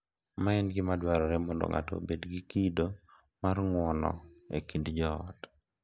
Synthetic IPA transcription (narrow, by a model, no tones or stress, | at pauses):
maɛnɡɪmadwaɾɔɾɛmɔndo̰ŋa̰tɔ̰bedɡikido | marŋwɔnɔ̰ḛkindd͡ʒɔ̰ːt